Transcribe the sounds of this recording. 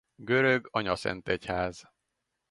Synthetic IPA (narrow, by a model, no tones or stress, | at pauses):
ɡø̞ɾøɡɒɲɒsɛ̰nt̪ɛchaːz